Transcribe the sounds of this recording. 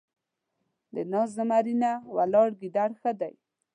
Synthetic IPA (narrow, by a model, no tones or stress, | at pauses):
d̪ənɑzəmaɾinawalɑɽɡid̪aɽxəd̪aj